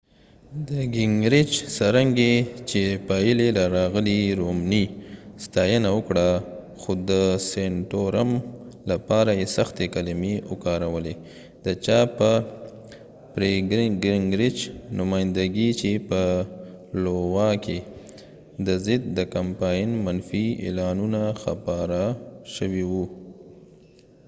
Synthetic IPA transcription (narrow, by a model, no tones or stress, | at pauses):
d̪əɡɪŋɡɾɪt͡ʃsaɾaŋɡet͡ʃepɑjəlelaɾɑɣəliɾomnist̪ɑjənawəkɽa | xod̪əseɳʈoɾam | lapɑɾajesaxt̪ekalɪmeʊkɑɾawəle | d̪̥ət͡ʃɑpə | pɾeɡɾɡɾɪŋɡɾɪt͡ʃnʊmɑjɪnd̪aɡit͡ʃepə | lowɑke | d̪əzɪd̪̚d̪əkampɑjnmanfiḛlɑnunaxapɑɾaʃəwiwu